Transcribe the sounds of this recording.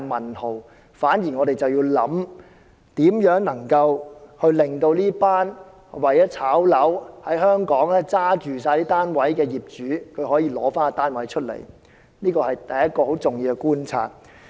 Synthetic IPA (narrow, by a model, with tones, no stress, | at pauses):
mɐ˨˩nho˨˩w | faː˨˥njiː˨˩ŋɔː˨˧ɾe˨jt͡sɐ˨wjiː˧wlɐ̰˨˥m | t̪iː˨˥mjœː˨˥ŋnɐ˨˩ŋkɐ˧whɵ˧ɥlɪ˨ŋt̪o˧wliː˥paː˥n | wɐ˨jɛː˨˥t͡sʰaː˨˥wlɐ˨˥whɐ˨˥jɦœː˥ŋkɔː˨˥ŋɛ˥t͡saː˥t͡ʃyː˨s̬aː˧jliː˥t̪aː˥nwɐ˨˥jkɛː˧jiː˨p̚t͡ʃyː˨˥kʰɵ˨˧ɥɦɔː˨˥jiː˧lɔ̰ː˨˥faː˥n˧t̪aː˥nwɐ˨˥jt͡ʃʰɵ˥t̚lḛ˨˩j | niː˥kɔː˧hɐ˨jt̪ɐ˨jɐ˥t̚kɔː˧ho˨˥wt͡sʊ˨˩ŋjiː˧wkɛ˧kuː˥nt͡sʰa̰ː˧t̚